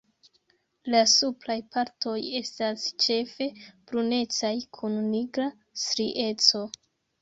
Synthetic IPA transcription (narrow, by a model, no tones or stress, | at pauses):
lasuplajpaɾto̞je̞stast͡ʃe̞fe̞bɾune̞t͡sajkʰunːiɡɾa | sɾiʔe̞t͡so̞